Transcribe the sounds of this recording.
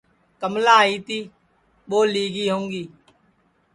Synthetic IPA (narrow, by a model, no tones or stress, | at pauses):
kəmlaːɦiːt̪iː | ɓoːliːɡiːɦõːŋɡiː